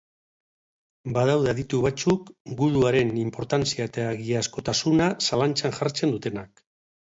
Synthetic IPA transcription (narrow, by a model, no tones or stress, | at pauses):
baðawðeðit̪uβat͡sukɡuðuaɾe̞nimpo̞ɾt̪ant͡siaet̪aːɣiasko̞t̪asunasalant͡ʃanʝaɾt͡se̞nd̪ut̪e̞nak̚